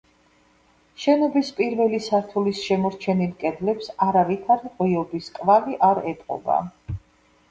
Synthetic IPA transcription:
ʃɛnɔbispʼiɾvɛlisaɾt̪ʰulisʃɛmɔɾt͡ʃʰɛnilkʼɛd̪lɛpsaɾavit̪ʰaɾiqʼwiɔbiskʼvaliʔaɾɛt̪ʼqʼɔ̰ba̰

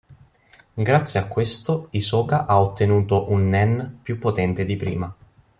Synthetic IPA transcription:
ɡɾat̪sːjeakːwest̪oisɔːkaʔaot̪ːenuːt̪oʔunːɛnːpjupːot̪ɛnt̪ed̪ipɾḭːma

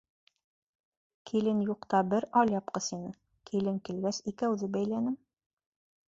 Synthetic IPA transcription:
kʰilɘnjuqt̪ɑbɘɾɑlʲjɑpqɤsinɘ | kʰilɘŋkilɡæsikæwðɘbæjlænɘm

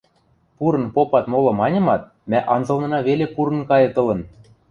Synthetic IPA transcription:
puɾɤ̆npopɑt̪molɤ̆mɑnʲɤ̆mɑt̪̚ | mæʔɑnzɤ̆lnɤ̆nɑβelepuɾɤ̆nkɑjɤ̆t̪ɤ̆lɤ̆n

